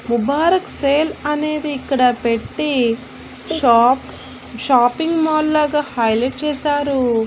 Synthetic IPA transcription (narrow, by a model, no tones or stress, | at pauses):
mubaːɾɐkseːlɐne̞ːd̪iːkːɐɽɐpe̞ʈːi | p | ʃaːpiŋɡmaːlːaːɡaːhɐjleːʈ̚t͡ʃɛːʃaːɾu